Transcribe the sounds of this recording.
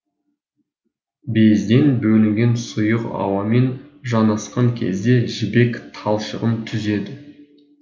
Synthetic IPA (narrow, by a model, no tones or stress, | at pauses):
be̞zd̪e̞nbɵlɪŋɡʲe̞nsʊjəqɑ̰wɑme̞nʒɑnɑsqɑŋkʲʰe̞̰zd̪e̞ʒɪbe̞kt̪ʰɑlˠʃəʁənt̪ʰʏze̞d̪ɪ